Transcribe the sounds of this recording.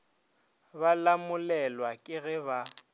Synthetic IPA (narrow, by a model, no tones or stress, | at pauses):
balamʊlɛlwakʼɪɣɛba